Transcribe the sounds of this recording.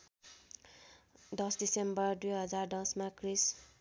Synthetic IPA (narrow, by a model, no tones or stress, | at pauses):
d̪ʌsdisembʌrd̪ujɦʌd͡zard̪ʌ̃smakris